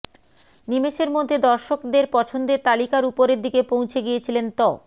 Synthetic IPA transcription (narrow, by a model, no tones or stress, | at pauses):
nimeʃeɾmod̪ʱːed̪ɔɾʃokd̪eɾpɔt͡ɕʰond̪et̪alikaɾupoɾeɾd̪ikepõw̃t͡ɕʰeɡijet͡ɕʰilent̪ɔ